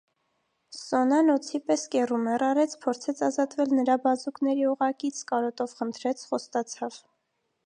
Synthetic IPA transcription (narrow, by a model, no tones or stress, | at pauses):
sɔnɑnɔt͡sʰipɛskɛrumɛrɑɾɛt͡sʰpʰɔɾt͡sʰɛt͡sʰɑzɑt̪vɛlnəɾɑbɑzuknɛɾiuʁɑkit͡sʰkɑɾɔt̪ɔvχənt̪ʰɾɛt͡sʰχɔst̪ɑt͡sʰɑv